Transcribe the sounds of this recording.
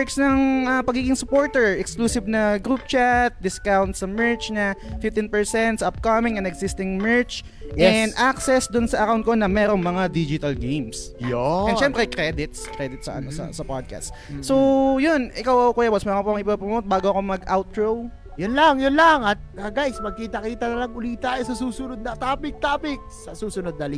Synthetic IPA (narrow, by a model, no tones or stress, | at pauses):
ɹksnɐŋʔɐpɐɡiːɡɪŋsʊpoɹt̪ɛɹʔɛkskluːsɪbnɐɡɾup̚t͡ʃat̪̚d̪ɪskawnt̪sɐmɛɹt͡ʃnɐfɪft̪ɪnpɛɹsɛnt̪sʔɐp̚kɐmɪŋɛnd̪ɛɡsɪst̪ɪŋmɛɹt͡ʃ | ɛnd̪ʔaksɛsd̪ʊnsɐʔɐkawnt̪̚konɐmɛːɾo̞ŋmɐŋad̪id͡ʒɪt̪ɐlɡejmsjoɛ̃nʃɛmpɾɛʔjkɾɛd̪ɪt̪skɾɛd̪ɪt̪̚sɐ̰ʔɐ̰nosɐ̰sɐpad̪̚ka̰st̪ | sojonʔɪkawʔɐkokuːjabɐsmɛɐkopoɐŋɪpɐpɐmːot̪̚baːɡoɐko̞mɐɡʔawt̪̚ɹow | jʊnlaŋjʊnlɐŋɐt̪̚ɐɡajsmɐɡ̚kiːt̪ɐkiːt̪ɐnɐlɐŋʊliːt̪aɛsɐsuːsʊnod̪̚nɐt̪aːpɪk̚t̪aːpɪk̚sɐsuːsʊnod̪̚nɐli